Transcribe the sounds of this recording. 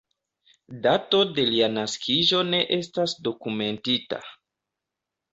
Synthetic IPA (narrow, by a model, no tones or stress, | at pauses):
dato̞de̞lianaskʰiʒo̞ne̞ʔe̞stasdo̞kume̞ntita̰